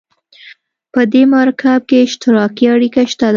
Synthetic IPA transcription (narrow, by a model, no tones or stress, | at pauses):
pəd̪emɑɾkʰab̚keɪʃt̪ɪɾɑkiaɽikaʃt̪ad̪